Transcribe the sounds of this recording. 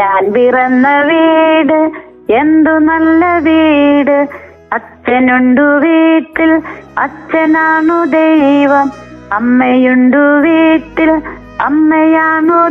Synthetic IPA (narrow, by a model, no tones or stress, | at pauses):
ɲaːlbirɐnːɐʋiːɽɨ | end̪unɐlːɐʋiːɽɨ | ɐt͡ɕːɐnuɳɖuʋiːʈːilɐt͡ɕːɐnaːɳud̪ejʋɐm | ɐmːɐjuɳɖuʋiːʈːil | ɐ̰mːɐjaːɳu